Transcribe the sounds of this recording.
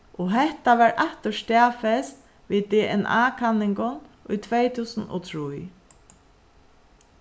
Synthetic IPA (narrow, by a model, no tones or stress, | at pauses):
ʔɔɦɛht̪aʋaɹʔaht̪əst̪æːfɛst̪ | ʋiːd̪ɛʔɛna̰ːkʰanːɪŋkʊnʊ̰jt̪ʰvejt̪ʰuːsənɔ̰t̪ʰɹuj